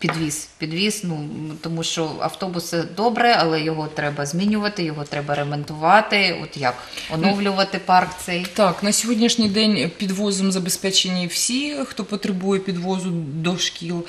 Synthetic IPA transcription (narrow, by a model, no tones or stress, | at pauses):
pʲid̪ʋʲispʲid̪ʋʲisnut̪ɔmuʃt͡ʃɔɐ̰wt̪ɔbʊsɪd̪ɔbɾɛɐlˠɛjɔɦɔt̪ɾɛbɐzʲmʲinʲʊʋɐt̪ɪjɔɦɔt̪ɾɛbɐɾement̪ʊʋɑt̪ɪɔ̰t̪jɐk | ɔnɔwlʲʊʋɐt̪ɪpɑrkt̪sɛjt̪ɑknɐsʲɔɦɔdʲnʲiʃnʲijd̪ɛnʲpʲid̪ʋɔzɔmzɐbespɛt͡ʃenʲːiwsʲixt̪ɔpɔt̪ɾɪbujɛpʲid̪ʋɔzʊd̪ɔʃkʲilˠ